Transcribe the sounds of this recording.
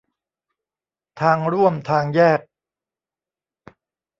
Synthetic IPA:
t̪ʰaː˧ŋɾu˥˩əmt̪ʰaː˧ŋjɛː˥˩k̚

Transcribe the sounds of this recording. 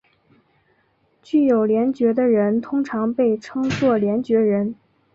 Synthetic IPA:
t͡ɕy˥˩jo˨˩ʊljɛ˧˥nt͡ɕɥɛ˧˥d̪ə˧ɻə˧˥nt̪ʰʊ˥ŋʈ͡ʂʰɑ˧˥ŋpe˥˩ɪʈ͡ʂʰɤ˥ŋt͡swɔ˥˩ljɛ˧˥nt͡ɕɥɛ˧˥ɻə˧˥n

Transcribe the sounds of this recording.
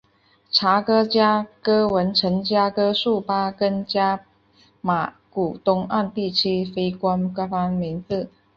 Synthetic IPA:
ʈ͡ʂʰa˧˥kɤ˥t͡ɕja˥kɤ˥wə˧˥nʈ͡ʂʰə˧˥nt͡ɕja˥kɤ˥ʂu˥˩pa˥kə˥nt͡ɕja˥ | ma˨˩ | ku˨˩t̪ʊ˥ŋa˥˧nt̪i˥˩t͡ɕʰi˥fe˥ɪkwa˥nka˥fa˥ŋmi˧˥nt͡sɹ̩˥˩

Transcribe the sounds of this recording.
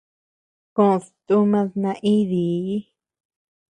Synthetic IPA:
kõ˦˨˧st̪u˦mã˧ðnã˧ʔi˦ði˨˦

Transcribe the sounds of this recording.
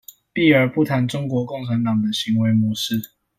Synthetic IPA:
pi˥˩ə˞˨˥pu˥˨t̪ʰa˨˧˥nʈ͡ʂʊ˥ŋkwɔ˧˥˦ko˥˩ŋʈ͡ʂʰa˧˦nt̪ɑ˨˩ŋd̪ə˦ɕi˨˧˦ŋwe˧˥ɪmwɔ˧˦ʂɻ̩˥˨

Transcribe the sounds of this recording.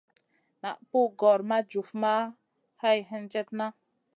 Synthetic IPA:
na̰˨ʔpu˦ɡɔ˨ɾma˦d͡ʒu˨fma˦ | ha˦jɦə˦nd͡ʒɛ˦tna˦

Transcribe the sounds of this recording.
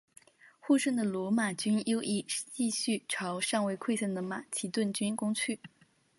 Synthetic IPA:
xu˥˧ʂə˥˩nd̪ə˨lwɔ˧˥ma˨˩t͡ɕy˥njo˥ʊʔi˥˩ʂ̩˥˧t͡ɕi˥˧ɕy˥˩ʈ͡ʂʰɑ˧˥ʊʂɑ˥˧ŋwe˥˧ɪkʰwe˥˧ɪsə˥˩nd̪ə˩ma˨˩t͡ɕʰi˧˥t̪wə˥˩nt͡ɕy˥nkʊ˥ŋt͡ɕʰy˥˩

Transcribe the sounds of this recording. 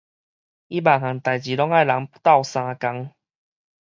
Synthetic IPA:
i˦ba˨˩ŋã˨˩nt̪a˨˩jt͡ɕi˨˩lɔ˦ŋa˥˨jla˨˦ŋpt̪a˥˧˨wsã˧ka˧ŋ

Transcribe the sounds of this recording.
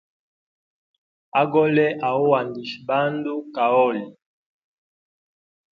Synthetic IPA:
a˦ɡɔ˦lɛ˦ʔa˨ɔ˦wa˨ndi˨ʃba˦ndu˦ka˨ɔ˦˨li˨

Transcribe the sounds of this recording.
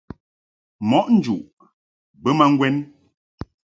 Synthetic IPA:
mɔ˨˦ʔn̩˦d͡ʒu˨ʔ | bə˦ma˦ŋ̩˦ɡwɛ˦n

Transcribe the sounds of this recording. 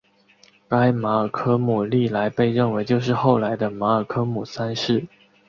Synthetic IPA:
a˥ɪma˧˥ə˨˩kʰɤ˥mu˨˩li˥˩la˧˥ɪpe˥˧ɪɻə˥˩nwe˧˥ɪt͡ɕjo˥˧ʊʂ̬ɻ̩˥˧xo˥˩ʊla˧˥ɪd̪ə˧ma˧˥ə˞˨˩kʰɤ˥mu˨˩sa˥nʂɻ̩˥˩

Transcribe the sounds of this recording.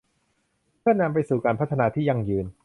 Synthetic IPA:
pʰɯ˥˩ɐna˧mpa˧jsuː˨˩kaː˧npʰt̪ʰːa˧naː˧t̪ʰiː˥˩ja˧ŋjɯː˧n

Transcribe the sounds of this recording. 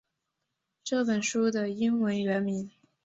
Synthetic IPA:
ʈ͡ʂɤ˥˩pə˨˩nʂu˥d̪ə˨i˥nwə˧˥nɥɛ˧˥nmi˧˥n

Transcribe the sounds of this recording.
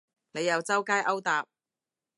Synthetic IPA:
ne˨˧jɐ˨˧wt͡sɐ˥wkaː˥jʔɐ˥wt̪aː˨p̚

